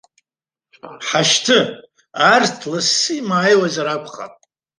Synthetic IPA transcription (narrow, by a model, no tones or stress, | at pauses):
ħaʃtʰɨ | artʰlasːɨjmaːjwazaɾakʷʰʼχa̰pʼ